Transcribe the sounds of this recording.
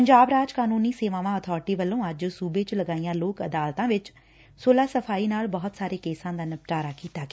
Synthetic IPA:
pəɲd͡ʒaːbɾaːd͡ʒkaːnuːniːseːʋãːʋãːɔt̪ʰɔːɾʈiːʋəlːõːəd͡ʒsuːbeːt͡ʃləɡaːijãːloːkəd̪aːlt̪ãːʋɪt͡ʃ | soːlaːsəpʰaːiːnaːlbɔːʊt̪saːɾeːkeːsãːd̪aːnəp̚ʈaːɾaːkiːt̪aːke

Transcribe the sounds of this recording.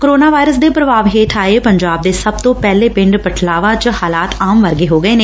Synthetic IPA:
koɾoːnaːʋaːɪɾəsd̪eːpɾəʋaːʋɦeːʈʰaːeːpəɲd͡ʒaːb̚d̪eːsəb̚t̪õːpɛːleːpɪ̃ɳɖpəʈʰlaːʋãːt͡ʃhaːlaːt̪aːmʋəɾɡeːɦoːɡəeːneː

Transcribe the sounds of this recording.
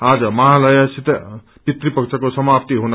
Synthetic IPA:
ad͡zʌmʌɦalʌjasit̪e | pit̪ɾipʌkt͡sʰʌkosʌmapt̪iɦunʌ

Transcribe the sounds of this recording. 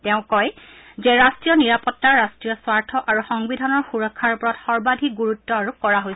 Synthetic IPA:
tɛʊ̃kɔj | zɛɹastɹijɔniɹapɔtːaɹastɹijɔswaɹtʰɔʔaɹuxɔŋbidʱanɔɹxuɹɔkʰːaɹpɔɹɔtxɔɹbadʱik̚ɡuɹutːɔaɹukɔɹaɦojs

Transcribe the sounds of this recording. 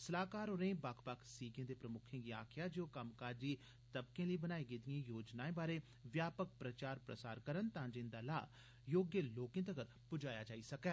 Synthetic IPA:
səlaːkaːɾoɾẽːbakʰpakʰsiːɡẽːd̪eːpɾəmʊkʰẽːɡiːa̰ːkʰɪjaːd͡ʒoːkəmkaːɾd͡ʒiː | t̪əbkẽːləiːbənaːiːɡed̪iãːjoːd͡ʒnaːẽːbaːɾeː | ʋjaːpək̚pɾət͡ʃaːɾpɾə̰saːɾkəɾənt̪ãːd͡ʒɪ̃nd̪aːla̰ː | joːɡjəloːkɪ̃nt̪əɡəɾ | pʊd͡ʒaːjaːd͡ʒaːiːsəkɛː

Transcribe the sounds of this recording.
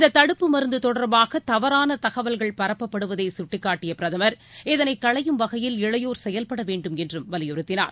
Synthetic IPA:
ɪðɐt̪ːɐɽɯpːɯmɐɾɯnd̪ɯt̪ɔɽɐɾbaːɣɐt̪ɐʋɐɾaːnɐt̪ɐɣɐʋɐlɣɐɭpɐɾɐpːɐpːɐɽɯʋɐðɐɪsʊʈːɪkːaːʈːɪjɐpɪɾɐðɐmɐɾ | ɛðɐnɐɪkːɐɭɐjɯmʋɐɣɐjɪlɪɻɐjoːɾsɛjɐlpɐɽɐʋeːɳɖɯmɛndrɯmʋɐlɪjɔɾɯt̪ːɪna̰ːɾ

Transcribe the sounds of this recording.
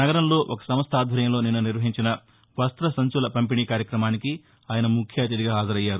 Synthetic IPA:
nɐɡɐɾɐmlo̞ːʔokɐ̥sɐmɐst̪ʰaːd̪ʱʋɐɾjɐmlo̞ːninːuniɾʋɐɦiɲt͡ʃinɐ | ʋɐst̪ɾɐsɐɲt͡ʃulɐpɐmpiɳiːkaːɾjɐkɾɐmaːniki | aːjɐnɐmukʰjaːt̪id̪iɡaːɦaːzɐɾɐjːaːɾu

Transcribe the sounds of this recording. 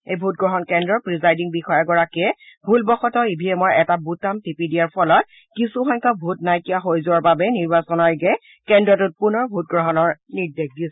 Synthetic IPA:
ejbʱut̚ɡɹɔɦɔnkɛndɹɔpɹizajdiŋbixɔjaɡɔɹakiɛbʱulbɔxɔtɔibʱiɛmɔjɛtabutamtipidijaɹpʰɔlɔt̚ | kisuxɔjŋkɔbʱutnajkijaxojzʊaɹbabɛniɹbasɔnɔjɡɛ | kɛndɹɔtʊt̚punɔɹbʱut̚ɡɹɔɦɔnɔɹniɹdexdis

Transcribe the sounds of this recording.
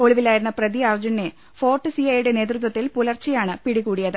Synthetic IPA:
o̞ɭiʋilaːjiɾunːɐprɐðiɐrd͡ʑunːe | fo̞ːrʈːɨsiɐjuɽe̞ne̞ːt̪rut̪̬wɐt̪ːilpulɐrt͡ɕːɐjaːɳɨpiɽikuːɽijɐðɨ

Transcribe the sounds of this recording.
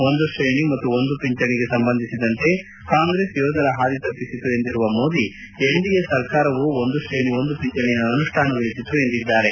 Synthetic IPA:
o̞nd̪uʂɾejɳimɐt̪ːuo̞nd̪upiɲt͡ʃɐɳiɡe̞sɐmbɐnd̪ʱisid̪ɐnt̪e̞ | kaːŋɡɾeːsjɔːd̪ɐɾɐɦaːɾit̪ɐpːisit̪ue̞nd̪iɾuʋɐmoːd̪i | eɳɖijesɐɾkaːɾɐʋuond̪uʂɾejɳio̞nd̪upiɲt͡ʃɐɳɛjɐːnuʂʈʰaːnɐʋɐɭit̪it̪ːue̞nd̪id̪ːaːɾe̞

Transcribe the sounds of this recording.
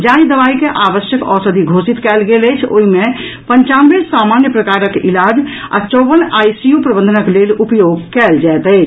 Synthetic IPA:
d͡ʒaĩd̪əβaikeʔaβəsjəkɔsəd̪ʱiɡʱosit̪kɛlɡelət͡ʃʰo̰ɦime | pəɲt͡ʃanbelsamanjəpɾəkaɾəkḭlad͡ʒ | a̰t͡ʃɔbənajsijupɾəbənd̪ʱənəklelupjoɡkɛld͡ʒajt̪əɪt͡ʃʰ

